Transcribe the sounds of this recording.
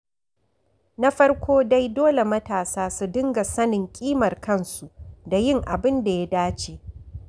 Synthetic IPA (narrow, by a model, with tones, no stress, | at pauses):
na˦ɸɐ˦rkʷʰoː˦da˦jdoː˦le˨mɐ˦taː˨saː˦su˨dɪ˦ŋɡa˨sɐ˦nɪ˨ŋkʲʼiː˦mɐ˨rkɐ˦˨nsu˨da˨jɪ˦ŋʔa˨bɪ˦nda˨ja˦daː˦t͡ʃeː˨